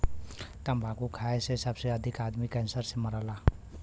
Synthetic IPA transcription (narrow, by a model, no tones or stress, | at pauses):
t̪ambʱakukʰaesesəbseəd̪ʱikad̪mikɛnsəɾseməɾala